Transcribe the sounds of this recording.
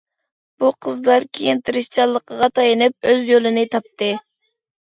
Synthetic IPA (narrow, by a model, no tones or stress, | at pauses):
b̥uqʰəzlˠɑɾkʲʰejint̪ʰɨɾɨʃt͡ʃʰɑlˠːəqəʁɑt̪ʰɑjinɨp̚øzjølɪnɨt̪ʰɑp̚t̪ɨ